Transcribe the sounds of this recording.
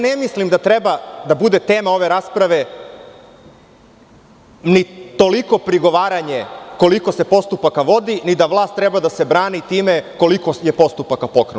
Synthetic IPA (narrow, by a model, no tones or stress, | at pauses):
nemislimd̪at̪ɾɛbad̪abud̪et̪eːmao̞ʋe̞ɾaːspɾaʋe̞ | nit̪o̞liko̞pɾiɡo̞ʋaːɾaɲeko̞liko̞se̞po̞st̪upakaʋo̞d̪inid̪aʋlˠaːst̪ːɾɛbad̪ase̞bɾaːnit̪iːmeko̞likojepo̞st̪upakapo̞kɾe